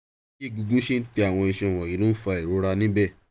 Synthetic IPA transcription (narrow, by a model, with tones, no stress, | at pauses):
ki˦˨ɡu˧ɡũ˦ʃe˦n̩˦ti˧a˨w̃ɔ̃˧i˧ʃɛ̃˧˨w̃ɔ̃˨ji˨˦lõ˦fa˧i˨ɾo˨˦ɾa˧nĩ˦bɛ˦˨